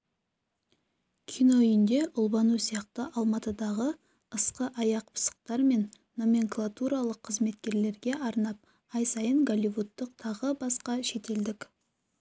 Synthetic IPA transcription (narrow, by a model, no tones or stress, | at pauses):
kʲʰijno̞ʏjɪnd̪e̞ʔʊlˠbɑnusijɑqt̪əʔɑlˠmɑt̪əd̪ɑʁə | əsqəʔɑjɑq̚pʰə̥sə̥q̚t̪ɑɾme̞nː | o̞mʲe̞ŋklˠat̪uɾalˠəqʰːəzme̞t̪kʲe̞ɾle̞ɾɡʲe̞ʔɑɾnɑp̚ | ɑjsɑjəŋɡolʲivut̪ːəqt̪ʰɑʁəbɑsqɑʃe̞t̪e̞ld̪ɪkʲ